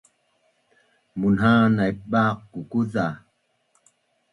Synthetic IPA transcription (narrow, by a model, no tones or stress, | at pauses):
munɦanajɓakkukuza